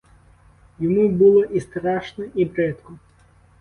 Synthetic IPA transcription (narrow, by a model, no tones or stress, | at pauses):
jɐmubɨlˠɔʔist̪ɾaʂnɐʔibɾɛt̪kʊ